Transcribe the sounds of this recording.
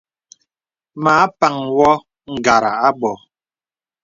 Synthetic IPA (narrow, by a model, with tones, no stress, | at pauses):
maː˨˦pa˨ŋwɔ˦ | ŋ̩˨ɡa˨ɾa̰˨a˦bɔ˨